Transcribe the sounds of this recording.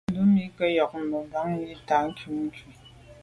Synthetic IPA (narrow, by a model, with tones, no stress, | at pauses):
lu˦mi˦kə˦jɔ˨k̚m̩˨mə˨ba˦ŋ˦ji˦ta˨˦ŋ̩˦ku˦ŋŋ˦ki˨